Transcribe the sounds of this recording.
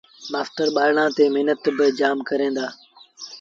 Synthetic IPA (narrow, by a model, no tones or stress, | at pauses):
ɓaːft̪əɾɓaːɪɽãːt̪eːmɪɦnət̪bɪd͡ʒaːmkəɾẽːnd̪aː